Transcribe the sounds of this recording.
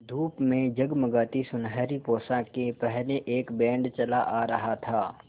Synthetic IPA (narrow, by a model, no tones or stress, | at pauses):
d̪ʱuːpmẽd͡ʒɐɡmɐɡaːt̪isʊnɦəːɾipoːsãkepɛɦleʔeːkbɛ̃ːɳɖt͡ʃɐlaʔaɾɐɦat̪ʰaː